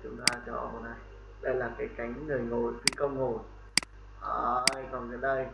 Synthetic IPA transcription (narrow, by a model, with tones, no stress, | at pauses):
t͡ɕʊ˨˦ŋ͡mt̪aː˧t͡ɕɔ̰˧ho˧˩na˨˧˩j | ɗə˧jlaː˨˩kaː˨˦jka˨˦jŋ̟ŋɨ˨˩əjŋo˨˩˨jfi˧˦kə˧wŋ͡mŋo˨˩n | ʔəː˧jkɔ˨˩nzə˨˦nɗə˧j